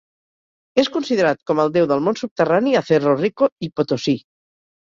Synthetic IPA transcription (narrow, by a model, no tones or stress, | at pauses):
eskunsiðəɾat̪̚kɔməlˠd̪ewðəlˠmonsup̚t̪əraniaθerorikoipot̪osi